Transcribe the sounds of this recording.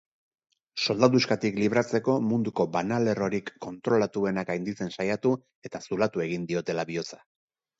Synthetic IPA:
so̞ld̪aðuskat̪ikliβ̞ɾat͡se̞ko̞mund̪uko̞banale̞ro̞ɾikːo̞nt̪ɾo̞lat̪ue̞nakajnd̪it͡se̞nsajat̪u | e̞t̪asulat̪ue̞ɣ̞ind̪io̞t̪e̞laβio̞t͡sḁ

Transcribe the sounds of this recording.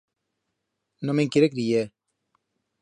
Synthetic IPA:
nomeŋkiɾekɾie

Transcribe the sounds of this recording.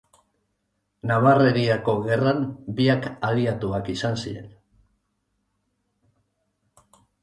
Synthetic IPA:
naβare̞ɾiako̞ɣe̞ranbiakaðiat̪uakisansiɾe̞̰n

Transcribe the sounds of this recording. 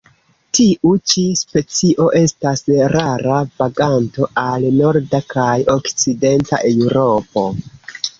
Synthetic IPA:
tiʔut͡ʃispe̞t͡siʔo̞ʔe̞stasɾaɾavaɡanto̞ʔalno̞ɾdakʰajo̞kt͡side̞nta̰ʔe̞wɾo̞po̞

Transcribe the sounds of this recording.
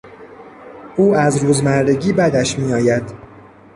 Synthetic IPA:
ʔuːæzɾuːzmæɾd̪e̞ɟiːbæd̪æʃmiːɒːjæd̪̥

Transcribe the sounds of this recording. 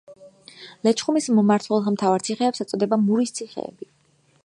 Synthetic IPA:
lɛt͡ʃʰχumismɔmaɾt̪ʰwɛlˠmt̪ʰavaɾt̪sʰiχɛːpsɛt̪sʼɔd̪ɛbamuɾist̪sʰiχɛ̰ːbi

